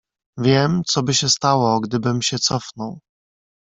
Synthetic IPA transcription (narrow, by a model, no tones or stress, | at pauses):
vʲjɛmt̪sɔbɘɕɛst̪awɔɡd̪ɘbɘmɕɛt̪sɔfnɔw